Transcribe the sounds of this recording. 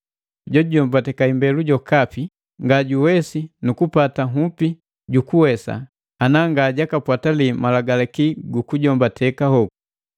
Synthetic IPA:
ɟɔɟɔmbatɛkaimbɛluɟɔkapi | ŋɡaɟuwɛsinukupataŋupi | ɟukuwɛsa̰ | anaŋɡaɟakapwatalimalaɡalɛkiɡukuɟɔmbatʰɛkahɔku

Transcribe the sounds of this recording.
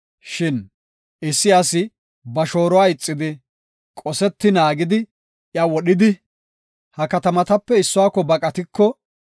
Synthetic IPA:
ʃɪn | ɪsːɪjasɪ | bɐʃo̞ːɾɔwaɪt͡sʼːɪd̪ɪ | kʼɔsɛt̪ːɪnaːɡɪd̪ɪ | jɐwɔɗɪd̪ɪ | hɐkɐt̪ɐmɐt̪ɐpːɛɪsːʊwaːkːɔbɐkʼɐt̪ɪkːɔ

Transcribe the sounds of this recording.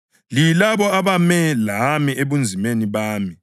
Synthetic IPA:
lilaβɔaβamɛlamieβund͡zʱimeniβaːmi

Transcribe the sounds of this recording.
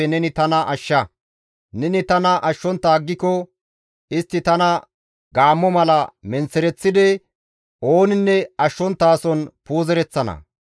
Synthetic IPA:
ɛnɛnɪt̪ɐnɐʔɐʃːɐ | nɛnɪt̪ɐnɐʔɐʃːɔnt̪ːaːɡːɪkɔ | ɪst̪ːɪt̪ɐnɐ | ɡaːmːɔmɐlɐmɛnt͡sːɛɾɛt͡sːɪd̪ɛ | ʔo̞ːnɪnːɛɐʃːɔnt̪ːaːsɔnpuːzɛɾɛt͡sːɐnɐ̰

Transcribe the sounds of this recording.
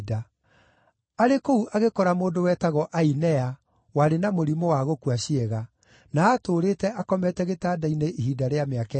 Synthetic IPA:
da | aɾekouʔaɣekɔɾamoːndowɛːtaɣɔʔainɛa | waɾenamoɾimowaɣokuaʃiɛɣa | naːtoːɾeːtɛakɔmɛtɛɣetaːdaineʔiɦiːdaɾeameakɛ

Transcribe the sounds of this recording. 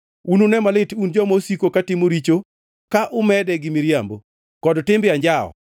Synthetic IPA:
unonɛmalɪtund͡ʒɔmosikokatɪmoɾit͡ʃo | kaʔʊmɛdɛɡɪmɪɾjambo | kɔdtɪmbɪaɲd͡ʒaɔ̰

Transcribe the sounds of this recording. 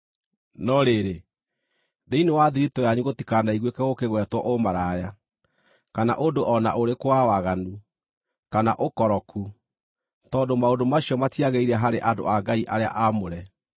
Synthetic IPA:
nɔɾeɾe | ðeinewaðiɾitɔjaɲuɣotikanaiɣwekɛɣokeɣwɛtwɔʔomaɾaja | kana̰ʔondoʔɔna̰ʔoɾekowawaɣanu | kana̰ʔokɔɾɔkʰu | tɔːndomaondomaɕjɔmatiaɣeiɾɛɦaɾeʔado̰aɡaiʔaɾea̰ʔamoɾɛ

